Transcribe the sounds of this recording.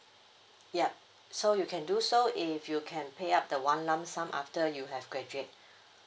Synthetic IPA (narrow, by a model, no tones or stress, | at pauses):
jɛp̚ | sojukʰɛ̃ndusoɪfjukʰɛ̃npʰeap̚dəwãnlãmsãmʔa̰ftəjuɦɛvɡɹɛd͡ʒuet̚